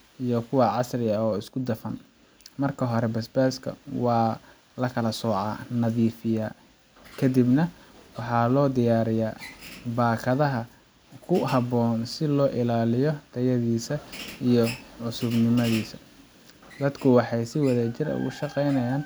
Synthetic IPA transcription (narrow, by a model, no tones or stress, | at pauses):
ʔijɔkʰʊwɑʕɑsrɪɐɔːɪskʰʊd̪ɐfɐn | mɐrkʰɐɦɔɾɛbɐsbɛːskʰɐ̰wɑː | lɐkʰɐlɐsɔːʕɑ̰ːnɐðiːfɪjaː | kʰɐd̪ibnɐ | wɑħɑlɔːd̪ɪjaːɾɪjaːbaːkʰɐðɐɦɐ | kʰʊhɐβɔːnsɪlɔːʔɪlaːlɪjɔd̪̥ɐjɐðiːsɐijɔʕʊsʊbnɪmɐðiːsɐ̥ | d̪ɐd̪kʰʊwɑħɑjsɪwɐðaːt͡ʃɪɾɐ̰ʊ̰ɣʊ̰ʃɑqɛjnɐjaːn